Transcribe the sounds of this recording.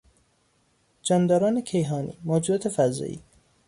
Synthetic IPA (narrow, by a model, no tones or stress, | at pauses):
d͡ʒɒːnd̪ɒːɾɒːnekʰejɦɒːnḭːmɒːd͡ʒuɒːt̪ʰefæzɒ̰ːʔḭː